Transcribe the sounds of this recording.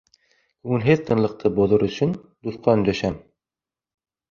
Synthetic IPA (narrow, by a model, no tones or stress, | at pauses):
kɵwɘnɦeθt̪ʰɤ̆nlˠɤ̆q̚t̪ʰɤboðɤɾɵ̆ɕɵn | d̪uθqɑɵnd̪æʃæm